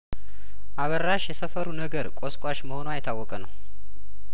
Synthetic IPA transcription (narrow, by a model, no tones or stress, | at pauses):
ʔaβəɾːaʃjɛsəfəɾunəɡəɾkʷʼoskʷʼwaʃməho̞noajt̪ʰːawːɔkʼənəw